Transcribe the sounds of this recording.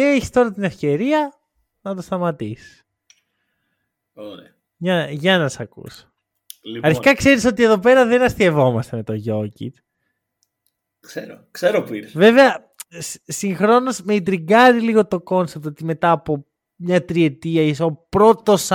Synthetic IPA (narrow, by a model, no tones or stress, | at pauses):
eeçi̥st̪o̞ɾɐt̪ine̞fce̞ɾiɐ | nɐt̪o̞st̪ɐmɐt̪isi̥s | o | ɐʝɐnɐsɐkṵso̥ | lɐɾçikɐkse̞ɾiso̞t̪ie̞ðo̞pe̞ɾɐðe̞nɐst̪ie̞vo̞mɐst̪e̞me̞t̪o̞ʝo̞cḭt̪ | kseɾokseɾopuive̞veɐ | ssiŋxɾo̞no̞smeid̪ɾiɡɐɾiliɣo̞t̪o̞ko̞nsep̚t̪o̞t̪ime̞t̪ɐːpo̞ | mɲɐt̪ɾie̞t̪iɐiso̞pɾo̞t̪o̞s